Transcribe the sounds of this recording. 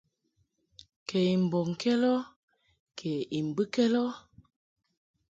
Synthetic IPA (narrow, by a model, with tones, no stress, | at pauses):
kʰɛ˨i˨m˨bɔ˨ŋ˨kɛ˦lɔ˦ | kʰɛ˨i˨m˨bɨ˦kɛ˦lɔ˦